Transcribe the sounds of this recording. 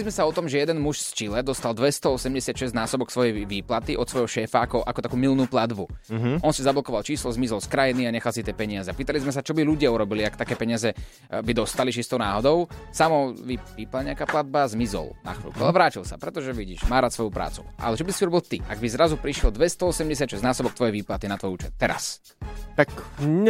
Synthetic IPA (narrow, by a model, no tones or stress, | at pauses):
lizmɛsaɔt̪ɔmʒɛjɛd̪ɛnmuʃst͡ʃilɛd̪ɔst̪ald̪ʋɛst̪ɔɔsɛmɟɛsɪat̪ʃɛznaːsɔbɔksʋɔjɛjʋiːplat̪iʔɔt̪sʋɔjɦɔʃɛːfaakɔʔakɔt̪akuːmilnuːplad̪buɔnsizablɔkɔʋalt͡ʃiːslɔzmizɔlskɾajiniaɲɛxalsit̪ɪɛːpɛɲɪazɛapiːt̪alizmɛs̬at͡ʃɔbiluɟɪauɾɔbiliakt̪akɛːpɛɲɪazɛ | bid̪ɔst̪aliʃist̪ɔʊna̰ːɦɔd̪ɔʊsamɔʋipiːpalɲɛakaːplad̪̚bazmizɔ̰lna̰xʋḭːlkua̰lɛʋɾaːcilsapɾɛt̪ɔʒɛʋiɟiʃmaːɾaːsʋɔjupɾa̰ːt͡sṵʔa̰lɛt͡ʃɔbisiuɾɔbilt̪iaɡbizɾazupɾiʃjɛld̪ʋɛst̪ɔɔsɛmɟɛs̬jad̪ʃɛznaːsɔbɔk̚t̪ʋɔjɛʋiːplat̪inat̪ʋɔjuːt͡ʃɛt̪̚ːɛɾa̰s | t̪ak